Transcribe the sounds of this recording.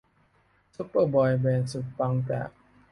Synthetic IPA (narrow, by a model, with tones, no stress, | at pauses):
su˦˥pːə˧˩bɔː˧jbɛː˧nsu˨˩t̪̚pa˧ŋt͡ɕa̰ː˨˩k̚